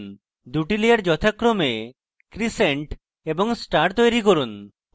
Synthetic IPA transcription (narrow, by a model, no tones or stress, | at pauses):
n | d̪uʈiliaɾd͡ʒɔt̪ʰakɾome | kɾiseɳʈ | ebɔŋsʈaɾʈt̪ojɾikoɾun